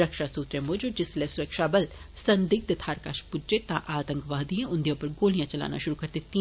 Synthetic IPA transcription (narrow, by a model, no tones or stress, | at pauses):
ɾəkʃaːsuːt̪ɾẽːmoːd͡ʒod͡ʒɪslɛːsʊɾəkʃaːbɐlsɐnd̪ik̚t̪et̪ʰaːɾkaːʃpʊd͡ʒd͡ʒet̪ãʔaːt̪ə̃ŋkʋaːd̪iẽʊnd̪ijẽpəɾɡoːlijãːt͡ʃɐla̰ːna̰ːʃʊɾukɐɾd̪ɪt̪ːĩ